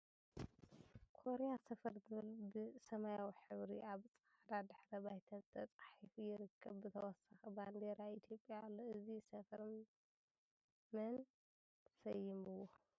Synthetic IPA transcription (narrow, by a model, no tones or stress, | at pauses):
kʰo̞ɾejasɐfɐɾzɨβɨlbɨsɐmajawiħɨβɾiaβt͡sʼaʕd̪ad̪ɨħɾɐbajt̪ʰɐnzt̪ʰɐt͡sʼaħifujɪɾɨkʰːɐβːɨt̪ʰɐwɔsaxiband̪eɾait̪ʰjo̞pʼːjalːoɨzisɐfɐɾ | mɐn | t̪ʰɐ̥sɐjːɪmɨwːo